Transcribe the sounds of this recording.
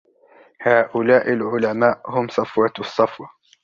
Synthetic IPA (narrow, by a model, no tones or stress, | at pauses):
haːʔʊlaːʔalʕʊlamaːʔhʊmsˤɑfwɑsˤːɑfwɑ